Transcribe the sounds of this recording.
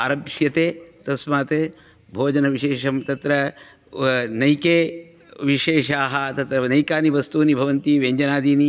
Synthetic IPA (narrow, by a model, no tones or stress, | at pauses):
ɐɾɐbʂjɐt̪eːt̪ɐsmaːt̪eː | bʱoːd͡ʒɐnɐʋiʃeːʃɐmt̪ɐt̪ɾɐ | nɐjkeː | ʋiʃeːʃaːɦɐt̪ɐt̪ɾɐnɐjkaːniʋɐst̪uːnibʱɐʋɐnt̪iʋeːɲd͡ʒɐnaːd̪iːni